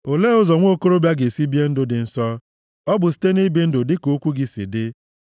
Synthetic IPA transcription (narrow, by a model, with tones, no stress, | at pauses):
o˨le˦ʊ˦zɔ˨ŋʷo˦ko˦ɾo˦bja˦ɡe˨si˦bi˦e˦n̩˦dʊ˦dɪ˨n̩˦sɔ˦ | ɔ˦bʊ˨s̬i̥˦te˦ni˦bi˨˦n̩˦dʊ˨dɪ˦ko˦kʷu˦ɡi˨sḭ˨dɪ˦